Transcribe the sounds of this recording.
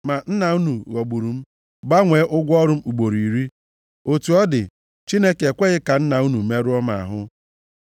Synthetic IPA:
ma˨n̩˦na˨u˦nu˨ɣo˨ɡ͡bu˨ɾu˨m̩˦ | ba˦ŋʷe˨˦ʔʊ˦ɡʷɔ˦ɾʊ˦m̩˦u˨ɡ͡bo˨ɾi˨ɾi˦ | o˨tu˨ɔ˦dɪ˨ | t͡ʃi˦ne˦ke˨kʷe˦ɣɪ˦ka˨n̩˦na˨u˦nu˨me˦ɾu˦ɔ˦ma̰˨a̰˨ɦʊ˦

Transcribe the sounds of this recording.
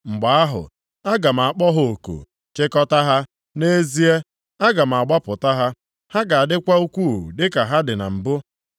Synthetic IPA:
ŋ͡m̩˨ɡ͡ba˨a˦ɦʊ̰˨ | a˦ɡa˨m̩˨a˨k͡pɔ˦ɦo˨o˨ko̰˨ | t͡ʃɪ˦kɔ˦ta˦ɦa˦ | ne˦zi˦e˦ | a˦ɡa˨m̩˨a˨ɡ͡ba˦pʊ˨ta˦ɦa˦ | ha˦ɡa˨a˨dɪ˦kʷa˦u˦kʷu˦˨dɪ˦ka˨ɦa˦dɪ˨na̰˨m̩˨bʊ˦

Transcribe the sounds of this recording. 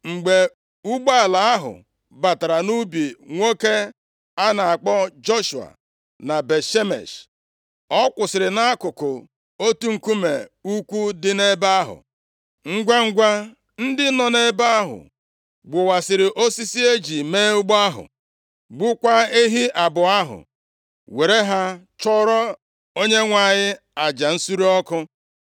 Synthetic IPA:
ŋ͡m̩˨ɡ͡be˨ | u˦ɡ͡ba˦a˨la˨a˦ɦʊ̰˨ | ba˨ta˨ɾa˨nu˦bi˨ŋʷo˦ke˦ | a˦na˨a˨k͡pɔ˦d͡ʒo˦ʃu˨a̰˨ | na˨be˨ʃe˦mḛ˨ʃ | ɔ˦kʷʊ˨sɪ˨ɾɪ˨na˦kʊ˨kʊ˨ | o˦tu˦ŋ̩˨ku˦me˨u˦kʷu˦dɪ˦ne˦ba˦a˦ɦʊ̰˨ | ŋ̩˦ɡʷa˦ŋ̩˦ɡʷa˦ | n̩˦dɪ˦nɔ˨ne˦ba˦a˦ɦʊ̰˨ | ɡ͡bʊ˨wa˨sɪ˨ɾɪ˨ʔo˦si˦si˦e˦d͡ʒi˨meː˦ʊ˦ɡ͡ba˦ɦʊ̰˨ | ɡ͡bʊ˦kʷa˦e˦ɦi˦ʔa˨bʊ˨a˦ɦʊ̰˨ | we˨ɾe˦ɦa˦ | t͡ʃɔ˦ɾɔ˦ | o˦ɲe˦ŋʷa˨ɲɪ˦ | a˨d͡ʒa˨n̩˦su˦ɾi˦ɔ˦kʊ˦

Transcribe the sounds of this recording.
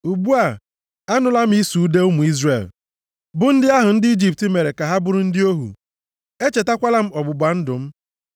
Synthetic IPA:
u˨bu˦a˨ | a˦nʊ˦la˦m̩˦i˦su˨u˦de˦ʊ˦mu˨i˦zrḛ˨l | bʊ˦n̩˦dɪ˦a˦ɦʊ˨n̩˦dɪ˦i˦d͡ʒi˦˨p̚ti˨˦me˨ɾe˨ka˨ɦa˦bʊ˦ɾʊ˦n̩˦dɪ˦o˦ɦṵ˨ | e˦t͡ʃe˨ta˦kʷa˦la˦m̩˦ɔ˨bʊ˨bʷa˨n̩˦dʊ˨m̩˦

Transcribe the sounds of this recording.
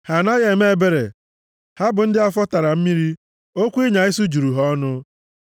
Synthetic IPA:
ha˨na˦ɣe˨me˦e˦˨be˦ɾe˨ | ha˦bʊ˨n̩˦dɪ˦a˦fɔ˦ta˨ɾa˨m̩˦mi˦ɾi˦ | o˦kʷu˦i˦ɲa˨ɪ˦su˦d͡ʒu˨ɾu˨ɦɔ˦nʊ˦

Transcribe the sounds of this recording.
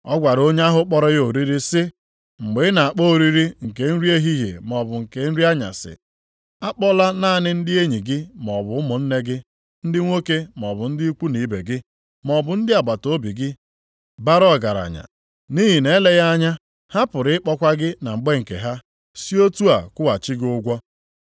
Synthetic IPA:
ɔ˦ɡʷa˨ɾo˦ɲ˦a˦ɦʊ˦k͡pɔ˦ɾɔ˦jo˨ɾi˦ɾi˦sɪ˦ | ŋ͡m̩˨ɡ͡be˨˦na˨a˨k͡po˦˨ɾi˦ɾi˦ŋ̩˨ke˨n̩˦ɾi˦e˦ɦi˦ɦḛ˨mɔ˨bʊ˨ŋ̩˨ke˨n̩˦ɾi˦a˦ɲa̰˨sɪ̰˨ | a˦k͡pɔ˦la˦na˦˨nɪ˦n̩˦dɪ˦e˦ɲi˨ɡɪ˦mɔ˨bʊ˨˦mʊ˨n̩˦ne˦ɡɪ˦ | n̩˦dɪ˦ŋʷo˦ke˦mɔ˨bʊ˨n̩˦dɪ˦kʷu˦ni˨˦be˨ɡɪ˦ | mɔ˨bʊ˨n̩˦dɪ˦a˨ba˨to˦bi˨ɡɪ˦ | ba˦ɾɔ˦˨ɡa˨ɾa̰˨ɲa̰˨ | ni˦ɦi˨ne˨˦le˦ɣa˦a˦ɲa˦ | ha˦pʊ˨ɾɪ˨˦ɪ˦k͡pɔ˦kʷa˦ɡɪ˦na˨ŋ͡m̩˨ɡ͡be˦ŋ̩˨kḛ˨ɦa˦ | si˦o˦tu˦a˨kʊ˦wa˨t͡ʃi˦ɡɪ˦ʊ˦ɡʷɔ˦

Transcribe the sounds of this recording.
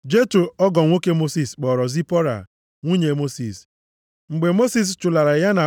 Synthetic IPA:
d͡ʒe˦tu˨ɔ˦ɡɔ˨ŋʷo˦ke˦mo˦si˨sk͡pɔ˨ɾɔ˨zi˦pɔ˦ɾa̰˨ | ŋʷu˦ɲe˨mo˦si˨s | ŋ͡m̩˨ɡ͡be˨mo˦si˦˨s̬t͡ʃʊ˨la˨ɾa˨ja˦na˨

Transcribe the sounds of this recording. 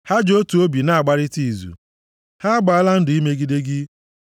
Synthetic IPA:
ha˦d͡ʒo˦tu˨o˦bi˨na˦a˨ɡ͡ba˦ɾɪ˦ti˦˨zṵ˨ | ha˦ɡ͡ba˨a˦la˦n̩˦dʊ˨i˦me˦ɡi˦de˦ɡɪ˦

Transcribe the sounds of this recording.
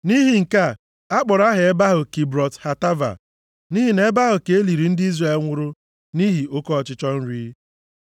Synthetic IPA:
ni˦ɦi˨ŋ̩˨ka˦ | a˦k͡pɔ˨ɾa˦ɦe˨e˦ba˦ɦʊ˨ki˨bɾɔ˨tha˨ta˦va̰˨ | ni˦ɦi˨ne˦e˦ba˦ɦʊ˨ke˨e˦li˨ɾi˨n̩˦dɪ˦i˦zre˨lŋʷʊ˦ɾʊ˦ | ni˦ɦi˨ʔo˦kɔ˦ɔ˨t͡ʃɪ˦t͡ʃɔ˦n̩˦ɾiː˦

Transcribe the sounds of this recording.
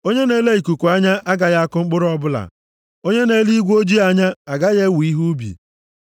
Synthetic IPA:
o˦ɲe˦ne˦le˦i˨ku˨kʷu˨a˦ɲa˦ʔa˦ɡa˨ja˦a˦kʊ˦ŋ͡m̩˦k͡pʊ˦ɾɔ˦bʊ˦la̰˨ | o˦ɲe˦ne˦li˦ɡʷo˦d͡ʒi˦a˨ɲa˦a˨ɡa˦je˦wi˦ɦu˦bḭ˨

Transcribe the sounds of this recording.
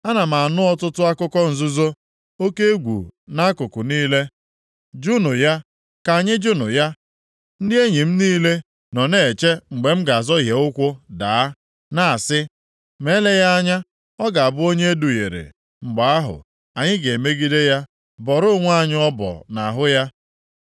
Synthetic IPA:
a˦na˨m̩a˨a˨nʊ˦ɔ˦tʊ˦tʊ˦a˦kʊ˦kɔ˦n̩˨zʊ˦zo˦ | o˦ke˦ɡʷṵ˨na˦kʊ˨kʊ˨niː˦le˦ | d͡ʒu˦nʊ˨ja˦ | ka˨ɲɪ˦d͡ʒu˦nʊ˨ja˦ | n̩˦dɪ˦e˦ɲi˨m̩˦niː˦le˦ | nɔ˨ne˨t͡ʃe˦ŋ͡m̩˨ɡ͡be˨m̩˦ɡa˨a˨zɔ˦ɦje˨ʊ˦kʷʊ˦daː˨a˦ | na˦a˨sɪ˦ | me˦le˦ja˦a˦ɲa˦ | ɔ˦ɡa˨a˨bʊ˦o˦ɲe˦e˦du˨jḛ˨ɾḛ˨ | ŋ͡m̩˨ɡ͡ba˨a˦ɦʊ̰˨ | a˨ɲɪ˦ɡe˨me˦ɡi˦de˦ja˦ | bɔ˨ɾʊ˦ŋʷ˦a˦˨ɲɪ˦ɔ˦bɔ̰˨na˨ɦʊ˦ja˦

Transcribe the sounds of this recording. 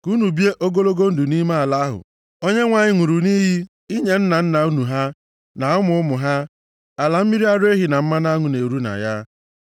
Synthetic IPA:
ku˦nu˨bi˦e˦ʔo˦ɡo˦lo˦ɡo˦n̩˦du˨ni˦ma˦a˨la˦ɦʊ̰˨ | o˦ɲe˦ŋʷa˨ɲɪ˦ŋʷu˨ɾu˨ni˦ɦi˦ | i˦ɲe˨n̩˦na˨n̩˦na˨u˦nu˨ɦa˦ | na˨ʊ˦mʊ˨ʊ˦mʊ˨ɦa˦ | a˨la˨m̩˦mi˦ɾi˦a˦ɾe˦ɦi˨na˨m̩˦ma˦na˦ŋʊ˨ne˨ɾu˦na̰˨ja˦

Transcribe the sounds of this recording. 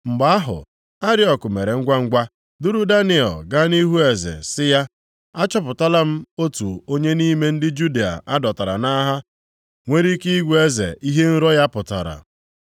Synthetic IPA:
ŋ͡m̩˨ɡ͡ba˨˦a˦ɦʊ̰˨ | a˦ɾɪ˦ɔ˨kʊ˨me˨ɾe˨ŋ̩˦ɡʷa˦ŋ̩˦ɡʷa˦ | dʊ˦ɾu˦da˦nɪ˨ɔ̰˨ɡa˦ni˦ɦu˦e˨zḛ˨sɪ˦ja˦ | a˦t͡ʃɔ˦p̬ʊ˨ta˦la˦m̩˦o˦tu˨o˦ɲe˦niː˦me˦n̩˦dɪ˦d͡ʒu˦di˨a̰˨ʔa˦dɔ˨ta˨ɾa̰˨na˦ɦa˦ | ŋʷe˦ɾi˦ki˦i˦ɡʷe˦zḛ˨i˦ɦe˦n̩˦ɾɔ˦ja˦pʊ˨ta̰˨ɾa̰˨

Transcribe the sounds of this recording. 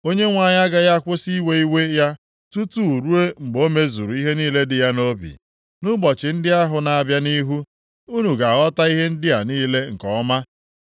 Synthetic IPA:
o˦ɲe˦ŋʷa˨ɲa˦ɡa˨ja˦kʷʊ˦si˦we˦i˦we˦ja˦ | tu˦tu˦˨ɾu˦e˦ŋ͡m̩˨ɡ͡bo˦me˦zu˨ɾu˨i˦ɦe˦niː˦le˦dɪ˨ja˦no˦bḭ˨ | nu˦bɔ˨t͡ʃɪ˨n̩˦dɪ˦a˦ɦʊ˨na˨a˨bja˦ni˦ɦu˦ | u˦nu˨ɡa˨ɣɔ˦ta˦i˦ɦe˦n̩˦dɪ˦ja˨niː˦le˦ŋ̩˨kɔ˦ma˦

